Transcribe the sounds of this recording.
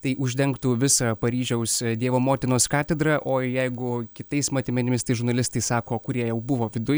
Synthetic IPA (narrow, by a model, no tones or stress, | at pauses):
t̪ɐɪʔʊʒʲd̪ʲɛŋkt̪uːʋʲɪsɑpɐɾʲiːʒʲɛʊsd̪ʲiɛʋoːmoːt̪ʲɪnoːskɑːt̪ʲɛd̪ɾɐʔoːjɛɪɡʊkʲɪt̪ɐɪsmɐt̪ʲɪmʲɛnʲɪmʲɪst̪ɐɪʒʊɾnɐlʲɪst̪ɐɪsɑːkoːkʊɾʲiɛjɛʊbʊʋoːʋʲɪd̪ʊj